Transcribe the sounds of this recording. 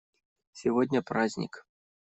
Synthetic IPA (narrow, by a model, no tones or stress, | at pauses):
sʲivɔd̪ʲnʲɐpɾazʲnʲḭk